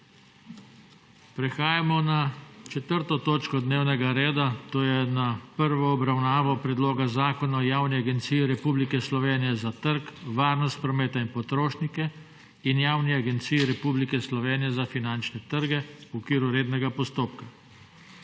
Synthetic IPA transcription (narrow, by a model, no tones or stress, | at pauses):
pɾɛxaːjamɔnat͡ʃɛt̪əɾt̪ɔt̪oːt͡ʃkɔd̪neːwnɛɡaɾeːd̪at̪oːjɛnapəɾʋɔːbɾawnaːʋɔpɾɛd̪loːɡazaːkɔnaɔjaːwniaɡɛnt̪sijiɾɛpublikɛslɔʋeːnijɛzat̪əɾkʋaːɾnɔst̪̚pɾɔmeːt̪ainpɔt̪ɾoːʃnikɛ | injaːwniaɡɛnt̪siːjiɾɛpublikɛslɔʋeːnijɛzafinant͡ʃnɛt̪əɾɡɛuɔkʋiːɾuɾeːd̪nɛɡapɔst̪oːp̚ka